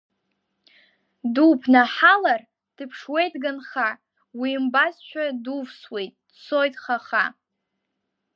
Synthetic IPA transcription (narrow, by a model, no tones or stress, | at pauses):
dupʰnaħalar | d̥ɨpʰʂwejtʼɡanχa | wimbazt͡ʃʷʰᶣaduvswejtʼd̥t͡sʰo̞jtʼχaχa